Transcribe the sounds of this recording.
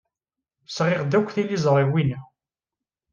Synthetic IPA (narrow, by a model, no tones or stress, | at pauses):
sʁɪʁd̪ækʷːθilizˤɾˤiwinæ